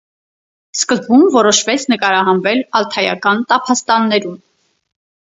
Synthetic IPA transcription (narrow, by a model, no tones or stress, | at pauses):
skəzbumvɔɾɔʃvɛt͡sʰnəkɑɾɑɦɑnvɛlɑlt̪ʰɑjɑ̰kɑnt̪ɑpʰɑst̪ɑnːɛɾun